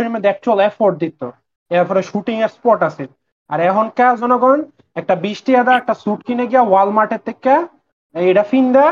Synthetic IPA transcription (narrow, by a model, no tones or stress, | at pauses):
iɾmed̪ɛk̚t͡ɕualɛfoɾɖ̚d̪it̪o̰ | eapʰɔɾeʃuʈiŋeɾspɔɾʈasʰil | aɾɛkʰonkad͡ʑɔnoɡɔn | ɛk̚ʈabiʃʈiad̪aɛk̚ʈasuʈkineɡijawalmaʈet̪ʰːekːa | ejʈafind̪ɛ